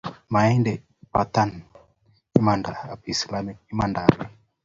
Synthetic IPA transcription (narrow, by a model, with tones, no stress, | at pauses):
ma˨ɛ˦ndɛ | pa˨t̪a˦n | i˦ma˨nda˨a˨pi˨sla˦mi˦k̚i˦ma˨ndaɾi